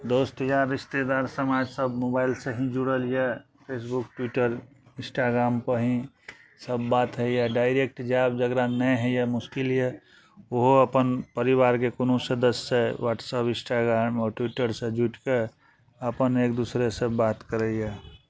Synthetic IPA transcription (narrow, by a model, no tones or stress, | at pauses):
d̪oːst̪əjaɾɪʃt̪ed̪aɾsəmad͡ʒsəbmobaɪlseɦĩd͡ʒuɽəlijɛ | pʰeːsbuk̚ʈwiʈəɾ | ɪ̃sʈaɡɾaːmpəɦĩ | səbːat̪ɦɛjaɖaɪɾek̚ʈd͡ʒab̚d͡ʒəɡɾanɛɦɛjɛmʊskiljɛ | oɦoəpənpəɾiʋaɾkekonosəd̪əsewaːʈsəpɪ̃sʈaɡɾamɔːɾʈwiʈəɾsẽd͡ʒuʈke | əpəneːk̚d̪usɾesəbat̪kəɾəjɛ